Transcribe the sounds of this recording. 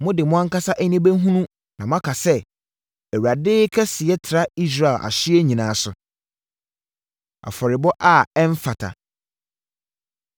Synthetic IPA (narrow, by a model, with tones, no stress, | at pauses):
mʊ̃˦dɪ˨mʊ̃˦ã˦ŋ˦ka˦sa˦ʔɛ˦nĩ˦bæ˦ɦũ˦nũ˦ | nã˨mʊ̃˦ã˦kʰa˨sɛ˦ | ɛ˨wɥa˨dɪ˦kʰɛ˦sɪ˨ɛ˦tʰɪ˨ɾa˦i˦s̬ɾa˨ɪ˨lʔa̰˨ɕɪ˦ɛ˦ɲĩ˨nãː˨˦sʊ˨ | a̰˨fɔ˨ɾɪ˨bɔ˦ʔa˦˨ɛ˦ɱ˦fa˨tʰa̰˨